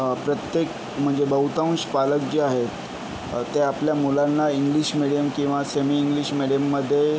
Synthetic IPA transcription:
pɾət̪jek | m̤əɳd͡zebəɦut̪aũnɕpalək̚d͡ʑeaɦe | t̪eapljamulanːaiŋɡliɕmiɽijəmkĩw̃ʋasemiːŋɡliɕmiɽijəmːəd̪ʱːje

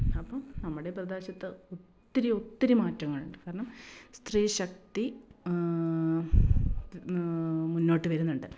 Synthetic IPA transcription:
ɐpːɐmnɐmːuɽe̞prɐd̪eːɕɐt̪ːɨot̪ːɐɾiot̪ːɐɾimaːtːɐŋːɐɭuɳɖɨkaːɾɐɳɐmst̪riːɕɐkt̪i | munːoːʈːɨʋɐɾunːuɳɖɨ

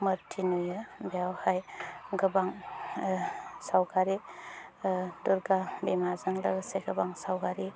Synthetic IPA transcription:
mɯɾtʰinujabejawhajɡɯbaŋ | sawɡaɾi | duɾɡabemazaŋlaɡaseɡɐbaŋsawɡaɾi

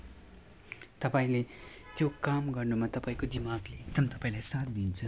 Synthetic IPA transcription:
t̪ʌpaĩle | t̪jokamɡʌrnumat̪ʌpaĩkod͡zimaɡlet̪ʌmt̪ʌpaĩlajsat̪̚d̪int͡sʰʌ

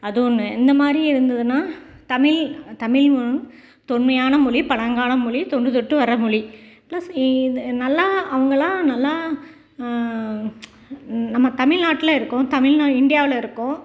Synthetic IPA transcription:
ɐðɯɔnːɯɛnd̪ɐmaːd̪ɾiɪɾɯnd̪ɐðɯnːaː | t̪ɐmɪlt̪ɐmɪlmʊɯn | t̪ɔɳmɐjaːnɐmʊɭipɐɭɐŋɡaːnɐmʊɭit̪ɔɳɖɯt̪̬ɔʈːɯʋɐɾɐmʊɻiplɐsnɐlːaɐʋɐŋɡɐɭãːnɐlːa | nɐmːɐt̪ɐmɪlnaːʈːɪlɐɪɾɯkːʊ̃t̪ɐmɪlnaɪɳɖɪjaːʋɪlɐɪɾɯkːõː

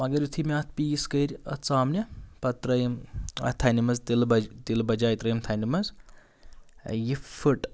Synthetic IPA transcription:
mɐɡɐɾjut̪ʰimʲaːt̪̚ʰpiːskɐɾʲɐ̰t͡saːmnʲipɐt̪ɾɐjimɐ̰t̪ʰanimɐzd̪ilbɐd̪ilbɐd͡ʒaːjt̪ɾɐjimt̪ʰɐnimɐz | jifuʈ

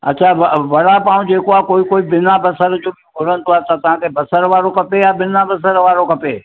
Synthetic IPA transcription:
ɐ̰tːʃʰaʋʋɐɽapaːũd͡ʑeːkoaːkoːikoːibɪnabɐsəɾd͡ʑoːbɪ̃ɡʱʊɾənɪt̪ʰoaːt̪at̪ɐʋ̤ãːkʰeːbɐsəɾʋaːɾokɐpejabɪnabɐs̬əɾʋaːɾokɐpeː

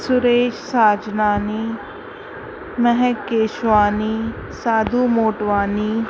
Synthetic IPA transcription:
sʊɾeːʃsaːd͡ʒnaːniː | mɛɦɛkeːʃʋaːniː | saːd̪uːmoːʈʋaːniː

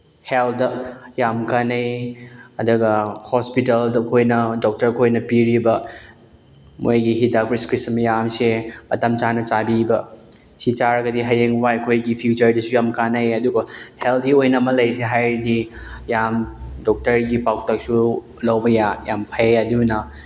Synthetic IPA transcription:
heldɐjamkanɐjɐdɐɡɐhospitɐldɐkʰojnɐdɔk̚tɐɾkʰojnɐpiɾibɐ | mojɡiɦidakɾiskɾismjamsemɐtɐmt͡ʃanɐt͡ʃabibɐ | sit͡ʃaɾɐɡɐdiɦɐjeŋwaɐkʰojɡipʰiut͡ʃɐɾdɐsujamkanɐjɐduɡɐheltʰiojnɐmɐlɐjseɦajdijamdɔk̚tɐɾɡipaw̚tɐk̚su | lɐwbɐjajampʰaɐdunɐ

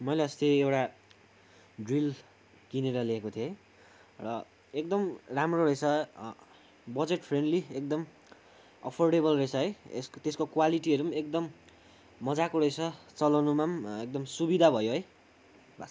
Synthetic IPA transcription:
mʌjleʌst̪eewʈa | ɖril | kineɾʌleekot̪ʰioɦj | rʌ | ek̚d̪ʌmramroɾʌjt͡sʰʌ | bʌd͡zeʈpʰreɳɖliek̚d̪ʌm | ʌ̰pʰorɖebʌlrʌt͡sʰʌɦʌjḛst̪eskokwaliʈiʌɾumaek̚d̪ʌmː | ʌd͡zakoɾʌjt͡sʰʌt͡sʌlʌnumamek̚d̪ʌmsubid̪ʱabʱʌjoɦʌj | bʱʌs

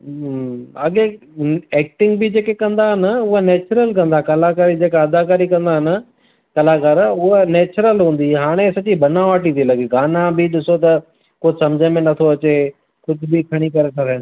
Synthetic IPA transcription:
ɐɠe | eːk̚ʈɪ̃ŋɡbɪd͡ʑeːkekɐ̃nd̪aɦɪnəʊɦanɛːt͡ɕɾəlkɐ̃nd̪akɐlakaːɾid͡ʑeːkaɐd̪akaːɾikɐ̃nd̪aɦɪn | kɐlaːkaːɾʊɦənɛːt͡ɕɾəlɦũːnd̪iɦaːɽ̃esɐt͡ɕibɐnãʋaːʈit̪ʰilɐɡiɡaːnãbɪɗɪsot̪̬ɐ | kosɐmd͡ʑʱəmẽnɐt̪ʰoɐt͡ɕe | kʊd͡ʑʱbɪkʰɐɽ̃ikɐɾeʈ̪ʰaɾɪn

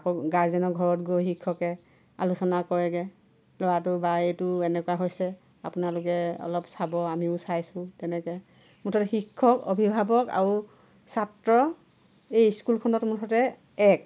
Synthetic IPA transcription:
kɔɡaɹzɛnɔɡʱɔɹɔtɡojxikʰːɔkɛ | a̰lusɔnakɔɹɛɡɛ | lɔɹatʊbaetʊɛnɛkwaɦojsɛ | a̰pʊnalʊkɛɔ̰lɔpsabɔamiʊsajsʊ̃tɛnɛkɛ | mʊtʰɔtɛxikʰːɔko̰bʱibʱabɔka̰ɹu | satɹɔ | ejskulkʰɔnɔtmutʰɔtɛ | ɛk

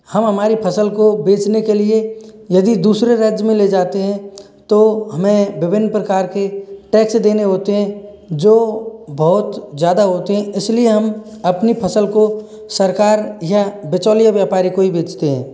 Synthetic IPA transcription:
hɐmɦɐmaːɾipʰɐsəlkobeːt͡ʃnekeliejɐd̪id̪uːsɾeɾɛːd͡ʒjmẽled͡ʒaːt̪eɦɛ̃ | t̪oɦɐmẽʋɪbʱɪnːpɾəkaːɾkeʈɛːksd̪eːneɦoːt̪eɦɛ̃ | d͡ʒoːbɔɦːʊt̪zjaːd̪aɦoːt̪eɦɛ̃ɪslieɦɐm | ɐpnipʰɐsəlko | sɐɾkaːɾjabɪt͡ʃɔːlijaʋjaːpaːɾikoibeːt͡ʃt̪eɦɛ̰̃ː

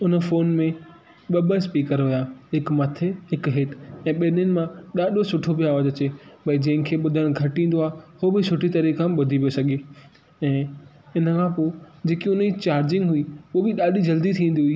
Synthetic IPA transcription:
ʊnə̆foːnmẽ | ɓɐɓəspiːkəɾɦʊjaːɦɪkmɐt̪ʰeɦɪkɦɪʈɛ̃ːɓenənɪ̆mãɗaːɗosʊʈʰobʱiaːʋaːzɐt͡ɕeːbɐid͡ʑɐ̃ɦɪ̃kʰeːɓʊd̪ʱəɽ̃ɡʱɐʈĩːn̆d̪oaːɦehoːbɪsʊʈʰit̪ɐɾikãɓʊd̪ʱipijosɐɡʱeː | ɛ̃ː | ɪnəkʰãpoːd͡ʑeːkiʊnit͡ɕaːɾd͡ʑɪ̃ŋɡɦʊiʊobɪɗaːɗid͡ʑɐld̪it̪ʰĩːn̆d̪iɦʊiː

